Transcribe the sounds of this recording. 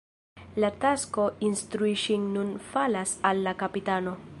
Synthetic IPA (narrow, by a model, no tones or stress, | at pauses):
latasko̞instɾuiʃinːunfalasalːakapitano̞